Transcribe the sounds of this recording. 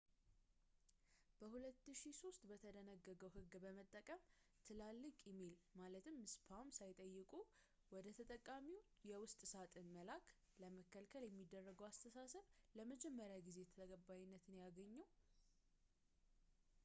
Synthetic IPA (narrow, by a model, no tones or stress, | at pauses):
b̥əhulət̪ːɨʃiso̞st̪bət̪ʰəd̪ənəɡːəɡəwɦɨɡːbəmət̪ʼːəkʼəm | t̪ʰɨlalːɨkʼjɛmelmalət̪ʰɨmːɨspʰamsajt̪ʼəjːɪkʼu | wɔd̪ət̪ʰət̪ʼəkʼːamiw | jɛwʊst̪ʼsat̪ʼɨnməlakʰ | ləməkːəlkʰəljɛmːid̪ːərːəɡəwast̪ʰəsasəβləməd͡ʒɛmːəɾjaɡize̞t̪ʰəɡəbajɪnːət̪ʰɨnjaɡəɲːəw